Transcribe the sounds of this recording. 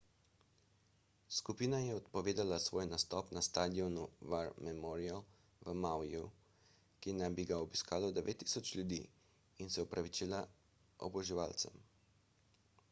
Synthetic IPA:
skupiːnajɛɔt̪pɔʋeːd̪alasʋoːjnast̪ɔːpnast̪aːd̪iɔnuvaɾmɛmɔɾial | ʋəmawju | kinajbiɡaɔbiskaːlɔd̪ɛʋḛt̪ːi̥sɔt͡ʃljud̪ḭː | insɛɔpɾʔaʋit͡ʃiːla | ɔ̰bɔʒiʋaːlt̪sɛ̰m

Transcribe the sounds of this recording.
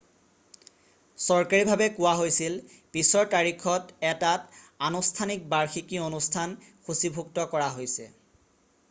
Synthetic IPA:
sɔɹkaɹibʱabɛkʊwaɦojsil | pisɔɹtaɹikʰɔtɛtatanustʰanik̚baɹxikionustʰan | xusibʱuk̚tɔkɔɹaɦojsɛ̰

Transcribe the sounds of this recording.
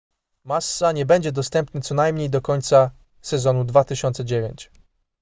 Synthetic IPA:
masːaɲɛbɛɲd͡ʑɛd̪ɔst̪ɛmpnɘt̪sɔnajmɲejd̪ɔkɔɲt̪sa | sɛzɔnud̪vat̪ɘɕɔnt̪sɛd͡ʑevʲjeɲt͡ɕ

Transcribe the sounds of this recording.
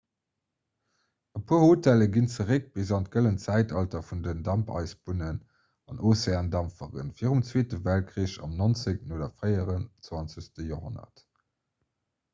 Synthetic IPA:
əpʰɑːɐhoːtæləɡint͡səʁək̚b̥izɑnt̚kələnt͡sæɪtɑltɐfundəndɑmpʰɑ̰ɪsbunən | ɑnʔoːseaːndɑmfəʁə̰nfiːəʁumt͡sweːtəvæl̚kʀiəɕɑ̰mnont͡səknoːdɐfʁəɪəʁənt͡swɑnt͡səɕstəjoːɦonɐ̰t

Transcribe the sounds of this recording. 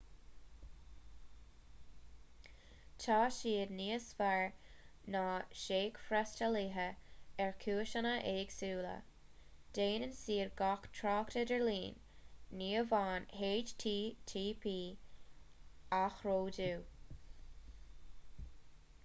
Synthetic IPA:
tʰɑːʃiːdniːəsfaɹnaːʃeːɡfɾɛstəliːɦəɛɹkʰuːʃənəʔeːɡ̥suːlə̰ | d̥eːnənsiːɹɡaktʰɾɑːktədɛɹliːnː | iːəvɑːnheːd͡ʒtʰitʰiːpʰiː | axɹoːduː

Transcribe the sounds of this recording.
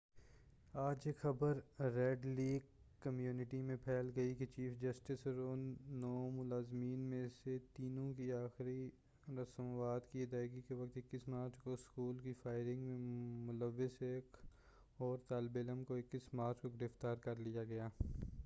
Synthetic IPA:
aːd͡ʒekxɐbəɾːɛːɖliːɡ | kːəmjuːnɪʈimẽpʰɛːlɡɐiket͡ʃiːfd͡ʒəsʈɪsɾoːnnoːmʊlaːzmiːnmẽset̪iːnõkiaːxɾi | ɾɐsəmʋaːd̪kiɪd̪aːɪɡikeʋɐk̚t̪ɪkːɪsmãːt͡ʃkoɪskuːlkifaːɪɾɪ̃ŋɡmẽmʊləʋːɪseːk | ɔːɾt̪aːlbeləmkoɪkːɪsmaːɾt͡ʃkoɡɪɾɪft̪aːɾkɐɾlijaɡɐjaː

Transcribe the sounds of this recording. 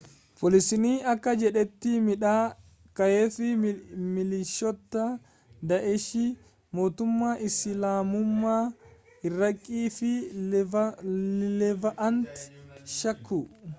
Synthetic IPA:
pʰɔlɪsɪniːɐkːɐd͡ʒɛᶑɛt̪ːɪmɪᶑaː | kɐjefɪmɪlɪʃːɔt̪ːɐ | d̪ɐʔɛʃɪ | mo̞ːt̪ʊmːaːʔɪsɪlaːmʊmːaː | ɪrːɐkʼːiːfɪ | lɛvɐʔɐnt̪ʃɐkːʊ

